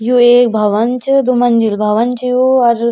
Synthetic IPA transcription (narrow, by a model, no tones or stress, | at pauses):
juek̚bʱɐʋɐnt͡ʃd̪umɐnd͡ʒ̪ilbʱɐʋɐnt͡ʃjuɐɾ